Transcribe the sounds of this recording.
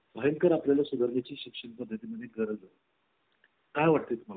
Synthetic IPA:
bʱəjənkəɾaplalasud̪ʱəɾnat͡ɕiːɕikʂəɳpəd̪ʱːət̪iməd̪ʱjeɡəɾəld͡zat̪ | kajʋaʈ̚t̪eːt̪um̤ala

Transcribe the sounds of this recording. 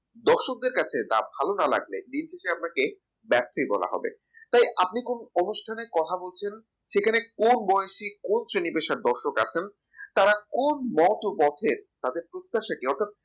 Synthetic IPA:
d̪ɔɾʃok̚d̪eɾkat͡ɕʰet̪a̰bʱalonala̰ɡlḛd̪int͡ɕʰeʃeap̚nake | bɛɾt̪ʰːojbɔ̰la̰ɦɔ̰bḛ | t̪ajʔap̚nikononuʃʈʰanekɔt̪ʰabolt͡ɕʰen | ʃekʰanekonbɔeeʃikonsɾenipeʃaɾd̪ɔɾʃoka̰t͡ɕʰen | t̪aɾakonmɔt̪opɔt̪ʰeɾt̪ad̪eɾpɾot̪t̪ːaʃaʈiɔɾt̪ʰat̪̚

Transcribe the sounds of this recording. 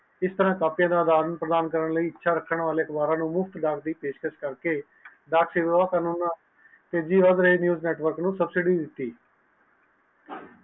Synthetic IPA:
ɪst̪əɾãːkaːpɪjãːd̪aːd̪aːɾənpɾəd̪aːnkəɾəɳləiːɪtːʃʰaːɾəkʰːəɳʋaːleːəkbaːɾãːnũːmʊpʰt̪d̪aːk̚ʰd̪iːpeːʃkəʃkəɾkeː | ɖ̪aːkʰseːʋaːkaːnuːnãː | t̪eːd͡ʒiːʋaːzɾəeːnjuːznɛːʈʋəɾknũːsəbsɪɖiːd̪ɪt̪ːiː

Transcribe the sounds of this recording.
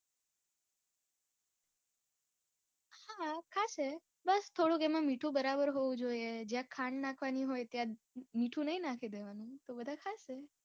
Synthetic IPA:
hakʰaʃe | bəst̪ʰoɽũkemãmiʈʰũbəɾabəɾɦoʋũd͡ʒoied͡ʒjãkʰaɳɖnakʰʋaniɦojt̪jã | miʈʰũnəɦĩnakʰid̪eʋanũt̪obəd̪ʱakʰaʃe

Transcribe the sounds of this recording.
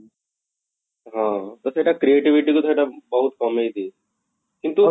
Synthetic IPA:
ɦãːt̪ɐsɐʈakɾieːʈiʋiʈikot̪ʰɐɖabɐɦut̪kɐmeit̪ʰiː | kɪ̃nt̪u

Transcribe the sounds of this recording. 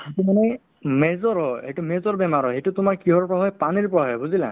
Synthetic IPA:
hetumanɛ | mɛzɔɹɦɔejtumezɔɹbɛmaɹɔejtutʊmaɹkiɦɔɹɔpɔɹaɦɔjpaniɹpɔɹaɦɔjbuzilã̰

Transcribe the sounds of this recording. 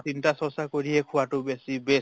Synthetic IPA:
tintasɔsakoɾiekʰuaʈubesibe

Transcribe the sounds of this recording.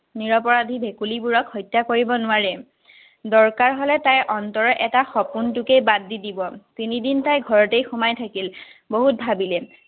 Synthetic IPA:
niɹɔpɔɹadʱibʱekulibuɹɔkhɔjtːakoɹibɔnʊaɹɛ | dɔɹkaɹɦɔlɛtajʔɔntɔɹɔʔɛtaxɔpuntukejbadːidibɔtinidintajɡʱɔɹɔtejxumajtʰakilboɦut̚bʱabilɛ

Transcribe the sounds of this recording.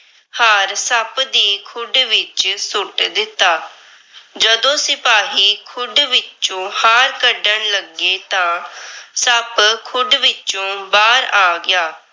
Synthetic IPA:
haːɾsəpd̪iːkʰʊɖʋɪt͡ʃsʊʈd̪ɪt̪ːaː | d͡ʒəd̪õːsɪpaːɦiːkʰʊɖʋɪt͡ʃt͡ʃõːhaːɾkəɖəɳləɡeːt̪ãːsəpkʰʊɖʋɪt͡ʃõːbaːɾaːɡɪjaː

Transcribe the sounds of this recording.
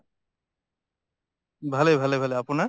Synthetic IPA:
bʱalebʱalebʱaleapuna

